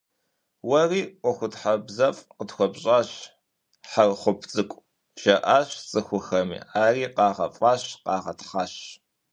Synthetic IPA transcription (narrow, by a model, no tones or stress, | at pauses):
wɐriːqʷɔxʷʊtħabzɐfʼqətxʷɔbɕʼaːɕ | ħarχʷʊpʰt͡sʼɨkʷʼ | ʒ̥ɐʔaːɕt͡sʼɨxʷʊxɐmḭːaːriːqɑːʁɐ̰fʼɑːɕqɑːʁɐtχaːɕ